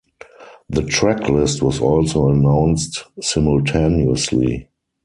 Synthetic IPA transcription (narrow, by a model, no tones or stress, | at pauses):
ðətʰɹækʰlɪstʰwɔsɔlsoʊənãʊ̃nstsɪ̃mʊltʰenuəslḭ